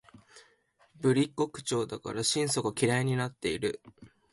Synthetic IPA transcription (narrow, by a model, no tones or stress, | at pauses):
bɯ̟ɾʲikːo̞kɯ̟̥t͡ɕo̞ːd̪aka̰ɾaɕĩɰ̃so̞ɡakʲiɾaiɲ̟inat̪ːe̞iɾɯ̟